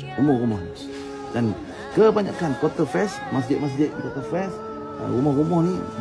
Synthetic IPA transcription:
umɔɾumɔhni | dan | kəbaɲa̰kankwat̪əfɛs | mas̬dɪʔ̚mas̬dɪʔ̚bikat̪əfɛs | ɾumɔhɾumɔhni

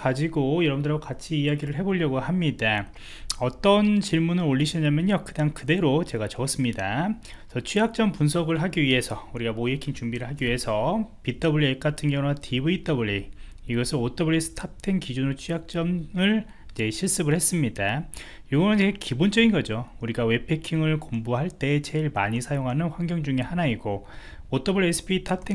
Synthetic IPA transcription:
kad͡ʑiɡojʌɾʌbɯndɯɾaɡokat͡ɕʰiːjaɡiɾɯɭɦe̞boɭʎːʌɡohamɲida | ʌt͈ʌnt͡ɕiɭmunɯɾoʎːiɕʰʌɲamjʌnjʌkɯdaŋkɯde̞ɾot͡ɕe̞ɡat͡ɕʌʌs͈ɯmɲida | sʰʌt͡ɕʰujak̚t͡ɕ͈ʌmpunsʰʌɡɯɭɦaɡiɥiɦe̞sʰʌuɾiɡamoekʰint͡ɕumbiɾɯɭɦaɡiɥiɦe̞sʰʌpit͈ʌbuɭːiek͈̚atʰɯnɡjʌŋoatʰibɯit͈ʌbuʎiiɡʌsʰɯnot͈ʌbɯɭes͈ʰɯ̥tʰap̚tʰeŋkid͡ʑunɾot͡ɕʰujak̚t͡ɕ͈ʌmɯɭ | id͡ʑe̞ɕʰiɭs͈ɯbɯɭhe̞s͈ɯmɲida | joɡʌnɯnt͡ɕeɡekibond͡ʑ͈ʌɡinɡʌd͡ʑouɾiɡawe̞pʰe̞kʰiŋɯɭkomboɦaɭt͈e̞t͡ɕe̞iɭmaɲisʰajoŋɦanɯnɸwaŋɡjʌŋd͡ʑuŋe̞hanaiɡo | ot͈ʌbuɭies͈ʰɯ̥pʰitʰap̚tʰe

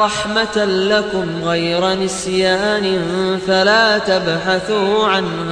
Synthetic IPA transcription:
ɑħmat̪lakʊmɣajɾanɪsjaːnɪnfalaːt̪abħaθuːʕan

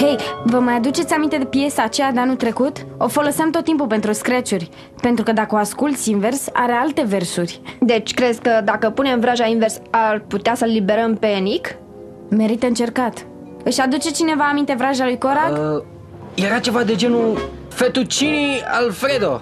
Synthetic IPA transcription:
he̞jvəmajad̪ut͡ʃe̞t̪sʲamint̪e̞d̪epije̞saːt͡ʃejad̪eanut̪ɾe̞kut̪o̞fo̞lo̞siamt̪ot̪ːimpupe̞nt̪ɾuskɾet͡ʃurʲ | pe̞nt̪ɾukəd̪akəoaskult̪sʲinve̞rsa̰ɾe̞alt̪e̞ve̞rsurʲd̪e̞t͡ʃʲkɾezkəd̪akəpune̞mvɾaʒainversarput̪easəlibe̞ɾəmpenik | me̞ɾit̪əɨnt͡ʃe̞rkat̪ | ɨʃad̪ut͡ʃe̞t͡ʃine̞vaːmint̪e̞vɾaʒalujko̞ɾa | jeɾat͡ʃe̞vad̪e̞d͡ʒe̞nu | fet̪ut͡ʃinia̰lfɾe̞d̪o̞

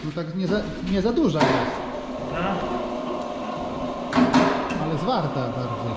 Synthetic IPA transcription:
nɔt̪akɲɛza | ɲɛzad̪uʐaas | a | alɛzvaɾt̪abaɾd̪zɔ

